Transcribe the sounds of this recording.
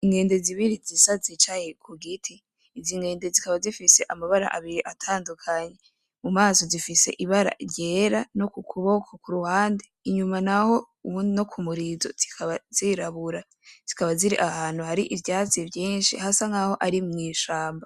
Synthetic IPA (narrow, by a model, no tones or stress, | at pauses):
iŋɡe̞ːnde̞ziβiɾizisazit͡ʃaje̞kʰuɡitʰiː | ziŋɡe̞ːndezikaβazifise̞ʔamaβaɾa̰ʔaβiɾiʔatʰaːndukʰaɲe̞ | mumaːso̞zifise̞̰ʔiβaɾa̰ɾɟe̞ːɾanokukʰuβokʰokuɾuhaːndeiɲumanaho̞ | uβuno̞kʰumuɾizo̞z̥ikʰaβaziɾaβuɾa | z̥ikaβaziɾḭʔahaːnhuhaɾiʔivjaːt͡sivjiːnʃḭhasaŋɡaho̞ʔaɾimŋiːʃaːmba